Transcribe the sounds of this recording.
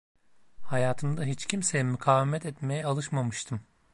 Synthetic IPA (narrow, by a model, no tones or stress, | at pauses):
hajaːt̪ʰɯmd̪aɦit͡ʃcʰimsejimykʰaːvimɛt̪ɛt̪me̞jɛalˠɯʃmamɯʃt̪ʰɯm